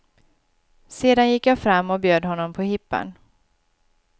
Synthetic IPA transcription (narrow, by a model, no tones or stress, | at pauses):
seːd̪anjɪkːjaːfɾamːɔbjøːd̪hɔnːɔmpʰɔhɪpːə̰n